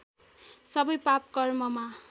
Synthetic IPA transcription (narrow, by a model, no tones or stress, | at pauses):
sʌbʌjpap̚kʌrmʌma